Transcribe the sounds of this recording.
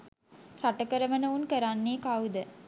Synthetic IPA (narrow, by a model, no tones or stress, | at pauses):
raʈəkəɾəmənəunkəɾanːeːkawd̪ə